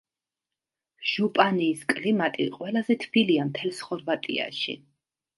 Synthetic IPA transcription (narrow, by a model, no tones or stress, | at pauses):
ʒ̥upʼaniːskʼlimat̪ʼḭqʼwɛlˠazɛt̪ʰbiliamt̪ʰɛlˠsχɔɾvat̪ʼḭa̰ʃḭ